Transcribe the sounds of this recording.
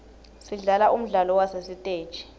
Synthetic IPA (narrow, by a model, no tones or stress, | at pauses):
siɮalaʔum̩ɮalɔwasesitʼeːd̥ʒ̥ʱi̥